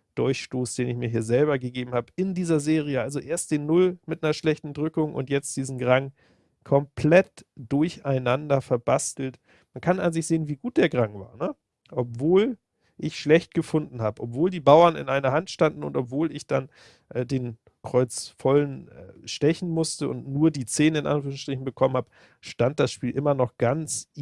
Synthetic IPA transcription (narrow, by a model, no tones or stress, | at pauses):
d̥ʊɐçʃtoːsd̥eːnɪçmiːɐɦiːɐzɛlβɐɡəɡeːbm̩haːbəʔɪndiːzɐzeːʁiəʔalzoʔeːɐst̚d̥eːnːʊlmɪtnɐʃlɛçtn̩dʁʏkʊŋʔʊ̰ntjɛt͡std̥iːzn̩ɡʁaŋ | kʰɔmpʰlɛtd̥ʊɐçaɪnandɐfɛɐbastl̩t | mankʰana̰nzɪçz̥eːənviːɡuːt̚d̥eːɐɡʁaŋva̰ːɐnə | ʔɔpv̥oːl | ʔɪçʃlɛçt̚ɡ̥əfʊndn̩haːbəʔɔpv̥oːldiːbaʊɐnɪ̰nʔaɪnɐhantʃtandn̩ʊ̰ntɔpv̥oːlɪçd̥an | ʔɛːdeːn | kʁ̥ɔʏt͡sfɔlənɛʃtɛçn̩mʊstəʊ̰ntnuːɐdiːt͡seːnəɪnʔa̰nfyːʁŋʃtʁ̥ɪçn̩bəkʰɔmən̩haːbə | ʃtant̚d̥asʃpiːlʔɪmɐnɔχɡ̥ant͡s